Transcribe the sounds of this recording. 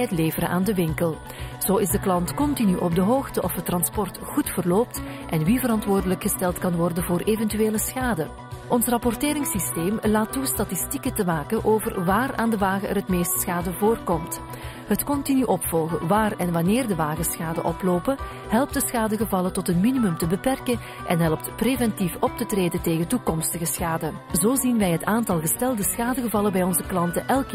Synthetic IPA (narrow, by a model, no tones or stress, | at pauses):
ətleːvəɾə̰ʔaːndəʋɪŋkəlˠ | z̥oːɪzdəklɑntkɔntinyʔɔb̚dəɦoːxtəʔɔfətːrɑnspɔrtxutfərloːp̚t | ʔɛnʋivəɾɑntʋoːrdələkxəstɛlˠtkɑnʋɔrdənvoːrʔeːvɛntyʋeːləsxaːdə | ʔɔnsrɑpɔrteːɾɪŋsisteːmlaːtːustatɪstikətəmaːkəʔoːvərʋaːra̰ːndəʋaːɣəʔɛ̰rɦətmeːstsxaːdəvoːrkɔmt | ɦətkɔntinyʔɔpfɔlˠɣəʋaːrɛnʋɑneːrdəʋaːɣəsxaːdə̰ʔɔploːpə | ɦɛlˠp̚tdəsxaːdəɣəvɑlətɔtɦənminimɵmtəbəpɛrkən | ʔɛnɦɛlˠp̚tpreːvɛntifɔp̚tətreːdənteːɣəntukɔmstəɣəsxaːdə | zoːzinʋɛjɦətaːntɑlˠɣəstɛlˠdəsxaːdəɣəvɑləbɛjɔnzəklɑntəʔɛlˠk